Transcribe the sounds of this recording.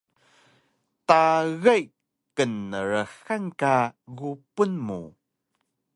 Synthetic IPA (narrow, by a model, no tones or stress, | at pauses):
taɣaj | kənːəɾəxankaɣupunmṵ